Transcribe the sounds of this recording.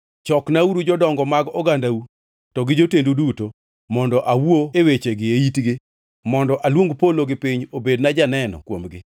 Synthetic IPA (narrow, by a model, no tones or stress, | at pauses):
t͡ʃɔknauɾud͡ʒɔdɔŋɡɔmaɡɔɡandau | tɔɡɪd͡ʒotenduduto | mɔndɔʔawoewet͡ʃeɡɪeitɡɪ | mɔndɔʔalwoŋɡpoloɡɪpiɲobednad͡ʒanɛnɔ̰kwomɡɪ